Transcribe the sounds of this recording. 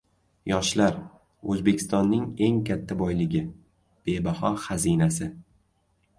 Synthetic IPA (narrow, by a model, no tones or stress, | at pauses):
jɒʃlaɾ | ɵzbe̞kʲɪ̥st̪ɒnːɪŋe̞ŋkʰʲat̪ʰːabɒjlɪɡʲɪ | b̥e̞bahɒχazinasɪ